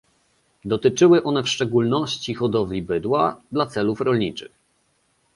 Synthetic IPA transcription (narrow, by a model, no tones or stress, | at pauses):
d̪ɔt̪ɘt͡ʂɘwɘʔɔn̪ɛfʂt͡ʂɛɡulnɔɕt͡ɕixɔd̪ɔvlʲibɘd̪wad̪lat̪sɛlufɾɔlɲit͡ʂɘ̰x